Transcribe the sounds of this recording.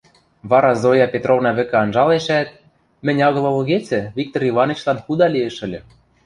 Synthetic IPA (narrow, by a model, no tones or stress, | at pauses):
βɑɾɑzojɑpʲet̪rovnɑβɘ̆kɘ̆ɑnʒɑleʃæt̪̚ | mɘ̆nʲɑɣɤ̆lˠɤ̆lɤ̆ɣet͡sɘ̆βʲik̚t̪orivɑnɤt͡ɕlɑnxud̪ɑlʲieʃɘ̆lʲɘ̆